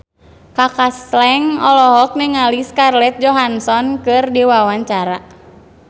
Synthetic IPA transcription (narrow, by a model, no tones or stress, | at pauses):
kakaslɛŋɔlɔɦɔk̚nəŋaliskarlɛt̪̚d͡ʒɔɦansɔnkɨrdiwawaɲt͡ʃaɾa